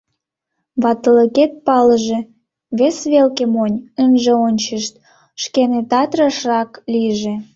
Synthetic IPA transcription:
βɑt̪ələket̪̚pɑləʒe | βesβelkemonʲənʒĕonʲt͡ɕəʃt̪̚ | ʃkenet̪ɑt̪rəʃrɑkliʒe

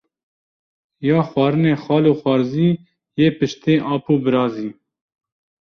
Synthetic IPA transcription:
jɑːxwɑːɾɨneːxɑːloːxʷɑːɾziː | jeːpɨʃt̪eːʔɑːpuːbɨɾɑːziː

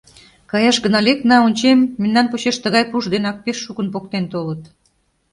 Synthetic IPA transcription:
kɑjɑʃɡənɑlʲeknɑonʲt͡ɕemːenːɑnpuɕeʃt̪əɣɑjpuʒd̪enɑk̚peʃːukənpok̚t̪ent̪olət̪

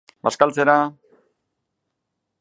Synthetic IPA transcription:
baskalt͡seɾa

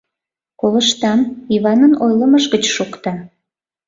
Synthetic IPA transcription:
koləʃt̪ɑniβɑnənojləməʒɣət͡ɕʃukt̪ɑ

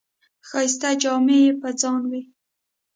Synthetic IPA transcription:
xɑis̬t̪ad͡ʒɑmejepəd͡zɑnwi

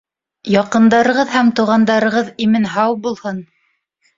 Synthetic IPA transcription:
jɑqɤ̆nd̪ɑɾɤ̆ʁɤðhæmt̪ŭwʁɑnd̪ɑɾɤ̆ʁɤðimɘnɦɑwbulˠhɤn

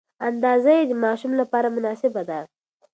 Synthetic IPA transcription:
and̪ɑzajed̪əmɑʃumlapɑɾamʊnɑsɪbad̪a

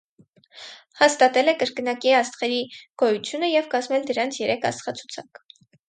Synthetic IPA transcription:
hɑst̪ɑt̪ɛlɛkəɾkənɑkiɑst̪χɛɾiɡ̥ɔjut͡sʰjunəjɛvkɑzmɛld̪əɾɑnt͡sʰjɛɾɛkʰɑ̰st̪χɑt͡sʰu̥t͡sʰɑk

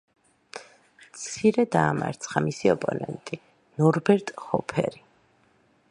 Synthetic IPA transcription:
tt̪sʰiɾɛd̪aːma̰ɾt̪sʰχamisiɔpʼɔnɛ̰nt̪ʼi | nɔɾbɛɾt̪ʼχɔpʰɛ̰ɾi

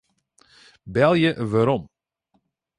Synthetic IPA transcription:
bɛlˠjəʋaɾɔm

